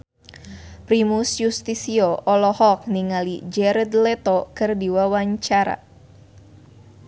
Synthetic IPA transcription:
pɾimusjust̪isioʔɔlɔhɔk̚niŋalḭd͡ʒɛɾɛd̪lɛt̪okɨrdiwawaɲt͡ʃaɾa̰

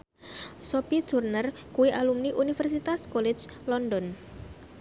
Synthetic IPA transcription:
sopid̥ʒ̥urnər | kuwiʔalumniʔunifɛrsit̪askɔlɛ̥d͡ʒ | lɔndɔn

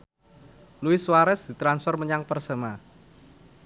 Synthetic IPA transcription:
luɪswaɾɛsd̪̥i̤t̪ɾansfɛrməɲaŋpərsəma

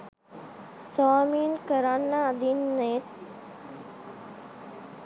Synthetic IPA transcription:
saːminkəɾanːaːd̪inːet̪

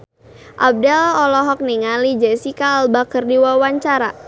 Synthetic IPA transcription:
ʔab̚dɛlɔlɔɦɔk̚niŋalid͡ʒɛsikaːlbakərdiwawaɲt͡ʃaɾa

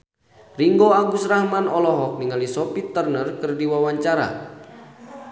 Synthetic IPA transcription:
riŋɡoaɡusrahmanɔlɔɦɔk̚niŋalisɔpit̪ərnərkɨrdiwawaɲt͡ʃaɾa̰

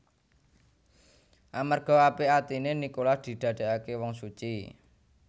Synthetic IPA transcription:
ʔamarɡ̥ɔ̤apeat̪inenikolahd̪̥i̤d̪̥ä̤d̪̥e̤akewɔŋsut͡ʃi

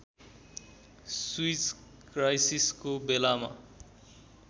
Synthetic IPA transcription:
swit͡s | krajsiskobelama̰

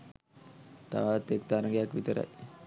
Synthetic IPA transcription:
t̪a̰ʋat̪ːek̚t̪aɾəŋɡejakʋit̪əɾa̰j

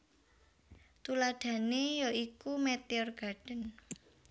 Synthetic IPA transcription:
t̪ulaɖ̥ä̤nejoikumɛt̪eɔrɡ̥a̤ɖ̥ə̤n

